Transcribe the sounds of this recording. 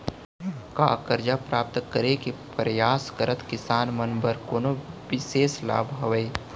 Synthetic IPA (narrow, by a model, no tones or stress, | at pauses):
kakəɾd͡ʒapɾaːp̚t̪kəɾekipɾɐjaːskəɾət̪kɪsaːnmɐnbəɾkoːnoʋɪseːsla̰ːbʱɦɐʋəj